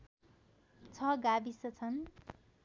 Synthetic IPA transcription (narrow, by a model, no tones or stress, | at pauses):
t͡sʰʌɡabisʌt͡sʰʌn